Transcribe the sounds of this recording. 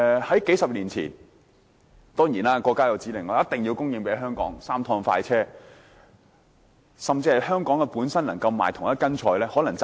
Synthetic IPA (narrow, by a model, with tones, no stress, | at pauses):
hɐ˨˥jke˨˥jsɐ˨p̚liː˨˩nt͡sʰḭː˨˩n | t̪ɔː˥ŋjiː˨˩naː˥kɔː˧kːaː˥jɐ˨˧wt͡siː˨˥lɪ˨˩ŋɔː˨˦jɐ˥t̪ɪ˨˩ŋjiː˧wkʊ˥ŋji˨˧ŋpe˨˥jɦœː˥ŋkɔ̰ː˨˥ŋsaː˥mt̪ʰɔː˧ŋfa̰ː˧jt͡sʰɛː˥ | sɐ˨mt͡siː˧hɐ˨˩jhœː˥ŋkɔː˨˥ŋɛ˧puː˨˥nsɐ˥nlɐ˨˩ŋkɐ˧wma̰ː˨˩jt̪ʰʊ˨˩ŋjɐ˥kɐ˥nt͡ʃʰɔː˧jlɛː˥hɔː˨˥lɐ˨˩ŋt͡s